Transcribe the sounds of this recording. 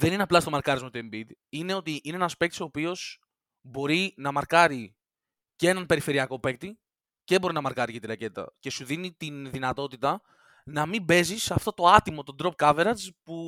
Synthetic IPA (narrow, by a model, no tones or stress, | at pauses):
ðe̞nineɐplɐst̪o̞mɐɾkɐɾizmot̪uembid̪ine̞o̞t̪iʔineenɐspe̞k̚t̪i̥so̞ːpio̞s | bo̞ɾinɐmɐɾkɐɾi | cee̞nɐnpe̞ɾife̞ɾiɐko̞pe̞k̚t̪i | ceebo̞ɾinɐmɐɾkɐɾicet̪iɾɐce̞t̪t̪ɐ̰ce̞suðinit̪inðinɐt̪o̞t̪it̪ɐ | nɐmibe̞zisɐft̪o̞t̪o̞ɐt̪imo̞t̪o̞nd̪ɾo̞p̚kɐve̞ɾɐzpu